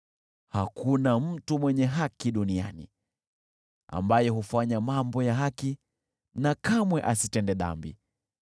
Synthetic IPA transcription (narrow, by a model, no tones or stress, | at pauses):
hakunam̩tumwɛɲɛɦakiɗunianḭ | a̰mbajɔhufaɲamambɔjaɦaki | nakamwɛʔasitɛndɛɗa̰mbḭ